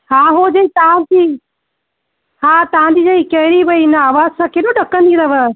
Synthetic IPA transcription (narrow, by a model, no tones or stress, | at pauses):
hãːɦod͡ʑɐĩt̪aãd͡ʑiː | ɦãːt̪ɐãd͡ʑiːd͡ʑɐikɐɦɪɾiʋɐinɐaːʋaːzsãːkeːɗoɗɐkə̃nd̪ĩɾɐʋə